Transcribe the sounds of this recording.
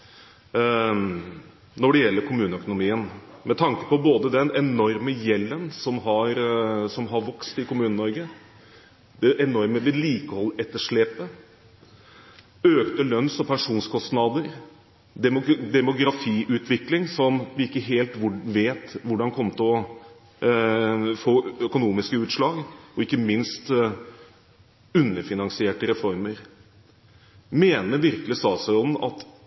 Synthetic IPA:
nɔɖɛjɛlːəɾkʰʊmʉːnəœkʊnʊmiːənmɛt̪ʰɑŋkə̥pɔboːd̪əd̪ɛnɛnɔɾməjɛlːənsɔmɦɑɾsɔmɦɑɾʋɑkst̪ɪkʊmʉːnənɔɾɡə | d̪ɛʔɛnɔɾməʋɛliːkəhɔlːʔɛt̪ːəʂɭeːpə | øːkt̪əlœnsɔpʰænʂuːnskʰɔst̪nɑd̪əɾ | d̪ɛd̪ɛmʊɡɾɑfiːʔʉːt̪ʰʋɪklɪŋsɔmʋɪɪkːəɦeːlt̪ʋʊʋeːt̪ʋʊɖɑnkʰɔmːət̪ʰɪɔ | foːœkʊnuːmɪskəʉːt̪ʂɭɑːɡɔɪkːəmɪnst̪ | ʉnːəɾfɪnɑŋsɪeːʈəɾɛfɔɾməɾ | meːnəɾʋɪɾkəlɪsɑːsæɔln̩ɑ̰t̪

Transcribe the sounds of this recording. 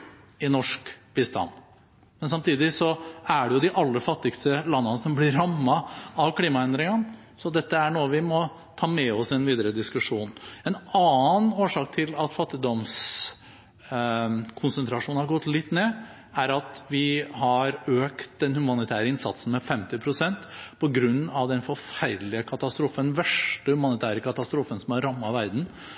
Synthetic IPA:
ɪnɔʂkb̥ɪst̪ɑ̰n | mɛnsɑmt̪ʰiːd̪ɪsɔæɖɛjʊd̪ɪʔɑlːəfɑt̪ːɪkst̪əlɑnːɑnəsɔmblɪɾɾɑmːɑɑʋkʰliːmɑɛnd̪ɾɪŋən | sɔd̪ɛt̪ːəæɳoːəʋɪmɔ | t̪ʰɑːmɛɔsɛnʋiːd̪əɾəd̪ɪskʉʂuːnɛnɑːnoːʂɑːk̚t̪ʰɪlɑt̪fɑt̪ːɪd̪ɔms | kʰʊnsənt̪ʰɾɑʂuːnhɑɾɡɔt̪ːlɪt̪ːneː | æɾɑt̪ʋɪhɑɾøːkt̪d̪ɛnhʉmɑnɪt̪ʰæːɾəɪnsɑ̰t̪sn̩mɛfɛmt̪ɪpʰɾʊsɛnt̪pʰɔɡɾʉnːɑʋd̪ɛnfɔɾfæɾlɪəkʰɑt̪ɑst̪ɾuːfənʋɛʂʈəhʉmɑnɪt̪ʰæːɾəkɑt̪ɑst̪ɾuːfənsɔmɑɾɑmːɑʋæɾd̪n̩

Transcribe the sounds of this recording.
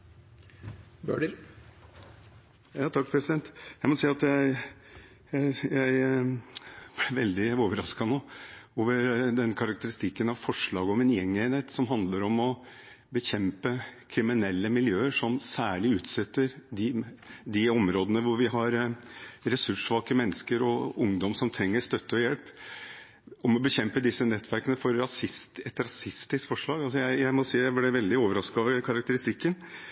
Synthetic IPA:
bø̰ːɖə | jɑːt̪ʰɑk̚ːpʰɾɛsɪd̪ɛnt̪jæɪmɔsiːɑt̪jæɪ | jæɪjæɪ | b̥lɪʋɛld̪ɪoːʋəɾɑskɑnoːoːʋəɾd̪ɛnkʰɑɾɑk̚t̪əɾɪst̪ɪkːənɑʋfɔʂɭɑːɡəɔmɛnjɛŋːeɪənheːt̪sɔmɦɑnd̪ləɾɔmɔ | bəçɛmpəkʰɾɪmɪnɛlːəmɪljøːəʂɔmsæːɭɪʉːt̪sɛt̪ːəɾd̪ɪd̪ɪɔmɾoːd̪ənəʋʊɾʋɪɦɑɾ | ɾɛsʉʂʋɑːkəmɛnːəskəɾɔʊŋd̪ɔmsɔmt̪ʰɾɛŋːəʂt̪œt̪ːəɔjɛlp | ɔmɔbəçɛmpəd̪ɪsːənɛt̪ʰːʋæɾkənəfɔɾːɑsɪst̪ɛt̪ɾɑsɪst̪ɪskfɔʂɭɑːɡɑlsɔjæɪjæɪmɔsiːjæblɛʋɛld̪ɪoːʋəɾɑskɑʋəkʰɑɾɑk̚t̪əɾɪst̪ɪkːən

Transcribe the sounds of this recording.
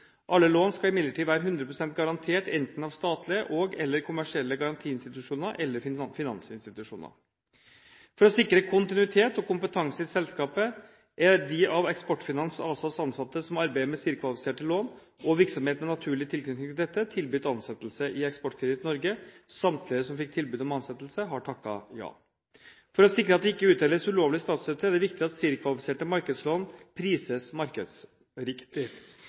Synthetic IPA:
ʔɑlːəloːnskɑlɪmɪd̪əʈʰiːd̪ʋæːɾəɦʉnd̪ɾəpʰɾʊsɛnt̪̚ɡɑɾɑnt̪ʰeːʈɛnt̪n̩ɑʋst̪ɑːt̪ʰlɪəʔɔɡɛlːəɾkʰʊmæʂɪɛlːəɡɑɾɑnt̪ʰiːɪnst̪ɪt̪ʉʂuːnəɾʔɛlːəɾfɪnɑ̰nsɪnst̪ɪt̪ʉʂṵːnə̰ɾ | fɔɾɔsɪkːɾəkʰʊnt̪ɪnʉɪt̪ʰeːt̪ɔkʊmpət̪ʰɑŋsəɪsɛlskɑːpə | ʔæd̪ɪʔɑʋɛkspɔʈːfɪnɑnsɑːsɑsɑnsɑt̪ːəsɔmɑɾbæɪəmɛsiɾkʰʋɑlɪfɪ̥seːʈəloːn | ʔɔʋɪɾksɔmheːt̪nɔnɑt̪ʰʉːɭɪt̪ʰɪlkʰnʏt̪ɪŋt̪ʰɪld̪ɛt̪ːət̪ʰɪlbyːt̪ɑnsɛt̪ːəlsəʔɪɛkspɔʈːkʰɾɛd̪ɪt̪ːnɔɾɡəsɑmt̪ʰlɪəsɔmfɪk̚t̪ʰɪlbʉːd̪ɔmɑnsɛt̪ːlsəɦɑʈʰɑkːɑ̰jɑ̰ː | fɔɾɔsɪkɾəɑt̪̚d̪ɛɪkːəʉːt̪ɛːlːəsʉloːʋlɪəst̪ɑːt̪søːt̪əɾæɖ̪ɛʋɪk̚t̪ɪɑt̪siːɾkʰʋɑlɪfɪ̥seːʈəmɑɾkəd̪sloːnpʰɾiːsəsmɑɾkəd̪s | ɾɪkt̪ɪ

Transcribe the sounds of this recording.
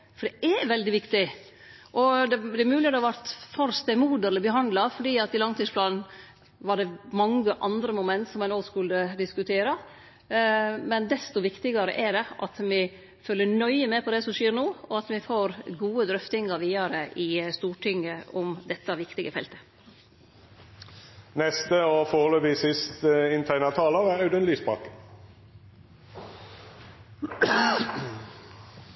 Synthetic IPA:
fɔɖ̪ɛʔɛʋɛld̪ɪʋɪkt̪ɪ | ʔɔd̪ɛd̪ɛæɾmʉːlɪəd̪ɛɑʋæɾt̪fɔɾst̪ɛmuːd̪əɾɛləbəɦɑnd̪lɑfɔɖiːɑt̪ɪlɑŋt̪iːspʰlɑːnn | ʋɑɖɛmɑŋəʔɑnd̪ɾəmʊmɛnt̪sɔmɛnoːɡskʉlːəd̪ɪskʉt̪ʰeːɾɑ | mɛnd̪ɛst̪ʊʋɪkt̪ɪɡɑɾə̰ʔɛɖɛʔɑt̪mɪ | fœlːəɳœʏəmɛpʰɔd̪ɛsɔmʂeːɾnoːɔɑt̪mɪfoːɾɡuːəd̪ɾœft̪ɪŋɑɾʋiːɑɾəʔɪst̪uːʈʰɪŋəɔmd̪ɛt̪ːɑʋɪkt̪ɪɡəfɛ̰lt̪ə̥ | nɛst̪əoːfoːʁløːʋɪsɪst̪ɪnt̪ʰæɪnɑt̪ʰɑːloːʁæɑʉd̪ənlysbʁɑ̰ːkə

